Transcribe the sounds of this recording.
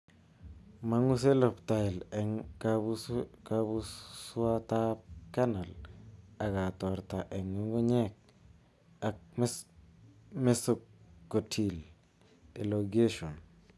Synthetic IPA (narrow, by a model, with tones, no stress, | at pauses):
ma˦ŋu˦s̬e˦lpta˨ɪ˨lɛ˨ŋ | kabu˦su˦a˦ta˦p̚ka˦na˨la˨ka˨tɔ˨ɾta˨ʔɛ˨ŋːu˦ŋɡu˦ɲɛ˦k̚ | a˨k̚ | me˦so˨kkːo˨tʰi˨l | e˨loɡe˦ʃo˨n